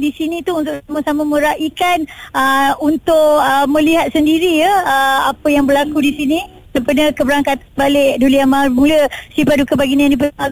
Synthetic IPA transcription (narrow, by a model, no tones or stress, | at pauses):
disinĩt̪uunt̪ʊʔamasamãmə̃ɾaʔikanəunt̪ʊkəmə̃liɦat̪̚səndiɾijəəapəjaŋbəlakudisinĩ | səpanakəbəɾaŋkat̪abalɪʔduliamamuləsipadukabaɡinĩãndip̬əa